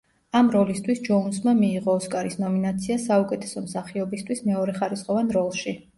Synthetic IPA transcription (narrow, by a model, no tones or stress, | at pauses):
amɾɔlist̪ʰwisd͡ʒɔunsmamiːʁɔːskʼaɾisnɔminat̪sʰiasaukʼɛt̪ʰɛ̥sɔmsaχiɔbist̪ʰwismɛɔɾɛχaɾisχʼɔvanɾɔlˠʃi